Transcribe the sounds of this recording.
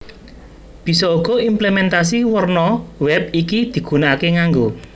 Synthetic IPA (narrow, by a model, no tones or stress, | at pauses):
b̥i̤sɔuɡ̥ɔ̤implemɛnt̪as̬iwərnɔwɛp̚ikid̪̥i̤ɡ̥ṳnaakeŋaŋɡo